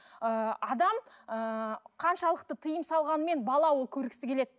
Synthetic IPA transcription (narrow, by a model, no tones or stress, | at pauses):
əɑd̪ɑməqʰɑnʃɑlˠəqt̪ət̪ʰəjəmsɑlˠʁɑnəme̞nbɑlˠɑwo̞lˠkʲʰɵɾɡʲkʲɪ̥sɪkʲʰe̞le̞d̪ɪ